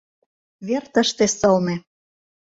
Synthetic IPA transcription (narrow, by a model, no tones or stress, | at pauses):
βert̪ə̆ʃt̪esɤlmĕ